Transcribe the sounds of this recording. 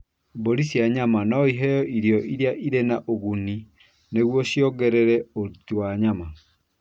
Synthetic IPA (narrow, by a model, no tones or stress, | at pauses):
boɾisjaɲamanɔiɦɛjɔʔiɾjɔʔiɾjaʔiɾenaʔoɣuni | neɣwɔɕiɔɡɛɾɛɾɛotiwaɲama